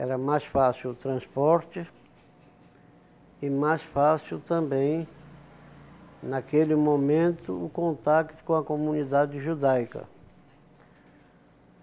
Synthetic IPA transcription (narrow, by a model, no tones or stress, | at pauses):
ɛɾɐmajsfasiwʊt̪ɾɐ̃spɔɾt͡ʃɪ | ɪmajsfasiwt̪ɐ̃mbẽj̃ | nakelɪmomẽnt̪ʊ̰ʊkõnt̪akt̪ʊ̥kõɐkomũnid̪ad͡ʒɪʒud̪ajkɐ̰